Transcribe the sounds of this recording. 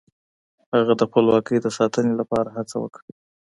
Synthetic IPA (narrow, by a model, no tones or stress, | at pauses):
haɣad̪əxpəlwɑkəjd̪əsɑt̪ənelapɑɾaɦat͡sawə̰kɽi